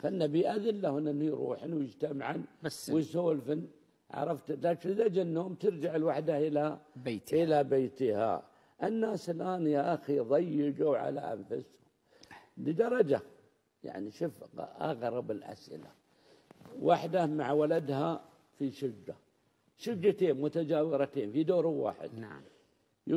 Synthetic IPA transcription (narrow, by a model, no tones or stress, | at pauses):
fanːabiʔaðɪnlahɪnːɪnːhujɾˤṵːħnwjɪd͡ʒt̪amaʕanwɪjsoːlfɪn | ʕɑ̰ɾˤɑft̪lakɪzad͡ʒɪnːoːmt̪ɪɾd͡ʒaʕɪlwaħd̪aʔɪlab̪ʔɪlabeːt̪ɪha̰ | ʔɪnːaːsɪlʔaːnjaʔaxiðˤɑjːɪɡuwʕa̰la̰ʔa̰nfʊshʊm | lid̪ɑɾˤɑd͡ʒa | ja̰ʕniʃʊfqʔɑ̰ɣɾˤɑbɪlʔa̰sʔɪ̰la̰ | waħd̪amaʕwalad̪ɦa | fiʃʊd͡ʒːa | ʃʊd͡ʒːat̪eːnmʊt̪ad͡ʒaːwɪɾɑt̪eːnfid̪oːɾwa̰ːħɪ̰d̪